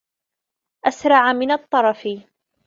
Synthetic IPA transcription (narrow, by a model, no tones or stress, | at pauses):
ʔasɾˤɑʕamɪnɑt̪ˤːɑɾˤɑfɪ